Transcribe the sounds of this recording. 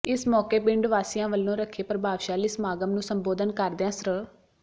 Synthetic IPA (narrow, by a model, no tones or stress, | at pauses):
ɪsmɔːkeːpɪ̃ɳɖʋaːsɪjãːʋəlːõːɾəkʰːeːpɾəbaːʋʃaːliːsmaːɡəmnũːsəmboːd̪ənkəɾd̪eãːsɾəɭ